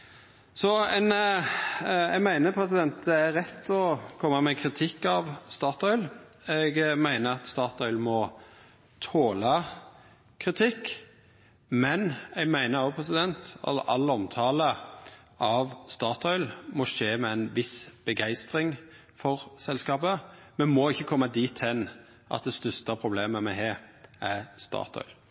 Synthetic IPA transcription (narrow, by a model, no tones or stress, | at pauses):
sɔɛn | ɛɡmæɪnəpʰɾɛsɪd̪ɛnt̪̚d̪ɛæɾɛt̪ːɔkʰɔmːəmɛkʰɾɪt̪ʰɪkːɑʋst̪ɑːt̪ɔʏl | ɛɡmæɪnəɑt̪st̪ɑːt̪ɔʏlmɔ | t̪ʰoːlɑ | kʰɾɪt̪ʰɪkː | mɛnɛɡmæɪnəɾoːpʰʁɛsɪd̪ɛnt̪ɑ̰l̰ʔɑlːɔmt̪ʰɑːlə | ʔɑʋst̪ɑːt̪ʰɔʏlmɔʃeːmɛæɪnʋɪsb̥əɡæɪst̪ɾɪŋ | fɔʁsɛlskɑːbəmɛnmɔɪçːəkʰɔmːɑd̪iːt̪ʰɛn | ʔɑ̰t̪̚d̪ɛst̪œst̪əpʰɾʊbleːməmɛɦɛːɾæɾst̪ɑ̰ːʁt̪ʰɔ̰ʏl